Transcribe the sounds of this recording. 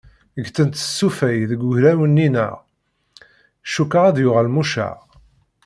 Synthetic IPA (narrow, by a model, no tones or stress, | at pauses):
əɡt͡sənt̪ə̥sːufæjðəɡʊʝɾæwənːinə̰ʁ | ʃukːaʁæðjʊʁælmuʃæ̰ʁ